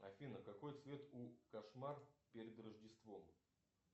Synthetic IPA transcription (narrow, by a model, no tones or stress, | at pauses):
ɐfʲinəkɐko̞jt̪svʲe̞t̪ukɐʂmarpʲeɾʲɪd̪rəʐdʲɪst̪vo̞m